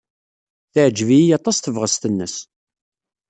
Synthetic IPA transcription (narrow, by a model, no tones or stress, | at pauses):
θəʕd͡ʒvijɑt̪ˤɑsθəvʁəst̪ənːəs